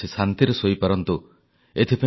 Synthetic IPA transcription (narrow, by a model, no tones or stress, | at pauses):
isant̪iɾɔsoipaɾɔnt̪u | et̪ʰipa